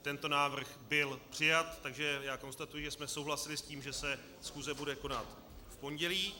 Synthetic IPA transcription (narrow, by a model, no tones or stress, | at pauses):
t̪ɛnt̪o̞naːvr̩xbɪlpr̝̥ɪjat̪ːaɡʒɛjaːko̞nst̪at̪ujɪʒɛsmɛso̞wɦlasɪlɪsciːmʒɛsɛ | sxuːzɛbudɛko̞nat̪ | fpo̞ɲɟɛliː